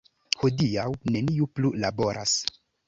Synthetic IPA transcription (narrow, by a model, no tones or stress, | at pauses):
ho̞diawne̞niuplulabo̞ɾʔa̰s